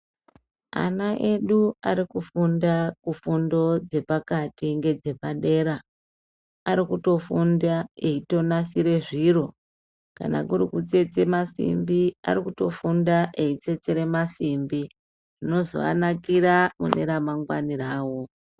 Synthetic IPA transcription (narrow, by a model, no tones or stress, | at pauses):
a̰naʔe̞ɗuaɾikufundakufundo̞d͡ze̞pakatiŋɡe̞d͡ze̞paɗe̞ɾa | aɾikuto̞fundae̞ito̞nasiɾe̞ʐiro̞ | ka̰na̰kuɾukut͡set͡se̞masḭmbia̰ɾikuto̞fundaʔeit͡se̞t͡se̞ɾe̞masimbi | ʐino̞zo̞̰a̰nakiɾamṵne̞ɾamaŋɡwa̰niraːwo̞